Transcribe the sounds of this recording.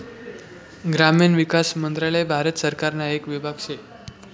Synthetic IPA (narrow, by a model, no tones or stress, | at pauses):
ɡɾaminʋikasmənd̪ɾalabʱaɾət̪səɾkaɾnaekʋibʱaɡɕe